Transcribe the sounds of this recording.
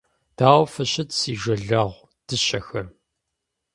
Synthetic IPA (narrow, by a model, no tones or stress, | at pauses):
d̥aːwʷfɐɕɐtsiːʒɐɮɐʁʷ | d̥ɨɕɐxɐm